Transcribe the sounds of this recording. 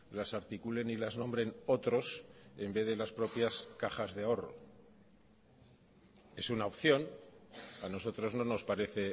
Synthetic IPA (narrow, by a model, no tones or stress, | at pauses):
lasaɾt̪ikule̞nilaznõ̞mbɾe̞no̞t̪ɾo̞se̞mbe̞ðe̞laspɾo̞pjaskaχazðeao̞ro̞̰ | e̞sunaopθjo̞n | ano̞so̞t̪ɾo̞zno̞no̞spaɾe̞θe̞